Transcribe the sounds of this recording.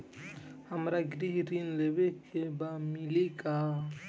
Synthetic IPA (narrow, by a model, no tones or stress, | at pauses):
həmɾaɡɾiɦɾinlewekʰebamɪlika